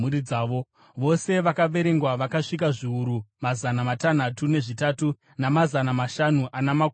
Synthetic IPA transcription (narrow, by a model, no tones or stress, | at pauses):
uɾid͡zaːʋo̞ | ʋo̞se̞ʋakaʋe̞ɾe̞ŋɡwaʋakaʂik̬aʐiuɾumazanamatan̤atune̞ʐitatu | namazanamaʃanuʔanamak